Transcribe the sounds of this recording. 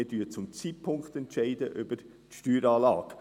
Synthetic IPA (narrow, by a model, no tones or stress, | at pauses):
ɪdyːət͡sʊmt͡siːtpʰʊŋkχt̪ɛntʃɛɪdəʔʏbəɾ | tʃtyːɾɑːlɑːk